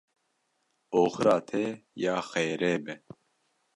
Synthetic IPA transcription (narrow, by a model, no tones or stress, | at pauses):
oːxɾaːt̪ʰeːjaːxeːɾeːbɛ